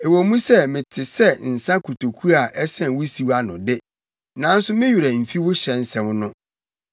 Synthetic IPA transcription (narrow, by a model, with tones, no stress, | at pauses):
e˨wɔ˨mũ˦sɛ˦˨mɪ̃˨tʰɪ˨sɛ˦˨n̩˨sã˦kʰu˨tʰo˨kʰu˦a˨ʔɛ˦sɛ̃˨n˨wʊ˦si˨˦wa˦nʊ̰̃˨dɪ˦ | nã˨˦n̩˦sʊ˦mɪ̃˦ɥu˨ɾɛ˨m̩˨fi˦wʊ˦ɕɛ̃˨n˦sɛ̃˨m˦nʊ̃˦